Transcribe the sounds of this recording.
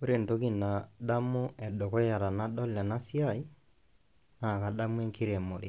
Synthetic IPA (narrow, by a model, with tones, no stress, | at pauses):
o˦ɾe˨nto˦ki˦na˨da˦mʊ˦ɛ˨do˨kɔ˦ja˨ɾa˨na˦dɔ˦la˨na˦si˦a˦˨i˦ | na˨ka˨da˦mu˦ɛ˦ŋkʰi˦ɾe˨mo˨ɾe˦